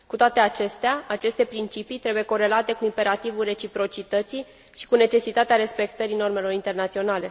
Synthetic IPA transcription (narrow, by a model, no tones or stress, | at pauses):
kut̪oat̪eat͡ʃe̞st̪eaat͡ʃe̞st̪e̞pɾint͡ʃipit̪ɾe̞buje̞ko̞ɾe̞lat̪e̞kuimpe̞ɾat̪ivulre̞t͡ʃipɾo̞t͡ʃit̪ət̪si | ʃi̥kune̞t͡ʃe̞sit̪at̪eaɾe̞spe̞k̚t̪əɾino̞rme̞lo̞ɾint̪e̞rnat̪sio̞nale̞